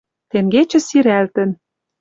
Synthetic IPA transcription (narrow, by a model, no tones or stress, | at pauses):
t̪eŋɡet͡ɕə̆siɾælt̪ə̆n